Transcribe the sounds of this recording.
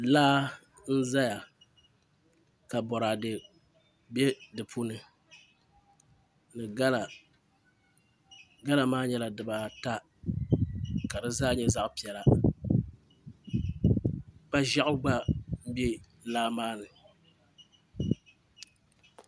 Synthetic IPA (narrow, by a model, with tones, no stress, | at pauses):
laː˦ | n̩˦za˦ja˨ | ka˨bɔ˨ɾaː˨dɨ˨ | bɛ˦dɨ˨pʰu˦nɨ˨ | nɨ˨ɡa˦la˨ | ɡa˦la˨maː˦ɲɛ˦la˨dɨ˨ba˨ta˦ | ka˨dɨ˦zaː˦ɲɛ˦za˦ʔʊ˦pi˨ɛ˨la˨ | k͡pa˦ʒa˦ʔʊ˦ɡ͡ba˦bɛ˦ | laː˦maː˦nɨ˨